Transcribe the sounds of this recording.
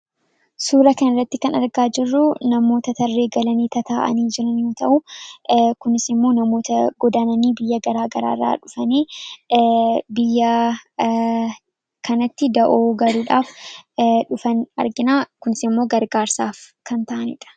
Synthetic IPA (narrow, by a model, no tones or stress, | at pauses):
suːɾɐkɐnɪrːɐt̪ːɪkɐnɐɾɡaːd͡ʒɪrːʊnɐmo̞ːt̪ɐt̪ɐrːe̞ːɡɐlɐniːt̪ɐt̪aːʔɐ̰niːd͡ʒɪɾɐnjo̞ːt̪ɐʔʊ | kʊnɪsɪmːo̞ːnɐmo̞ːt̪ɐɡɔd̪aːnɐniːbɪjːɐɡɐɾaːɡɐɾa̰ːrːa̰ːᶑʊfɐniː | bɪjːɐ | kʰɐnɐt̪ːɪd̪ɐʔoːɡɐɾuːᶑaːf | ᶑʊfɐnɐ̰ɾɡɪnaːkʊnɪsɪmːo̞ːɡɐɾɡaːɾsaːfkɐnt̪ɐʔɐnɪ̰ᶑɐ̥